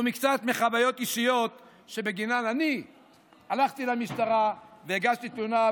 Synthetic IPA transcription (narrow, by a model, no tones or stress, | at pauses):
umikt͡sat̪meχabajo̞t̪iʃijo̞t̪ | ʃe̞beɡinanani | alaχt̪ilamiʃt̪aʁaveiɡaʃt̪it̪luna